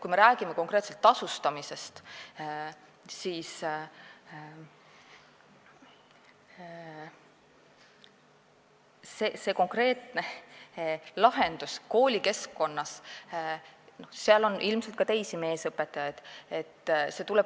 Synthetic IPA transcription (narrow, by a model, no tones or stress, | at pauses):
kujme̞ɾæːɡ̥imeko̞ŋkre̞ːt̪selt̪ːɑsust̪ɑmise̞st̪ | siːs | sese̞ːko̞ŋkrɾe̞ːt̪ne̞ | lɑɦend̪̥usko̞ːlʲike̞skːo̞nːɑs | no̞hseɑlo̞nʔilmset̪̚kɑt̪e̞jsime̞ːsɤpːˑet̪ːˑɑjɑjd̪̥e̞t̪ːse̞t̪ulɛb̚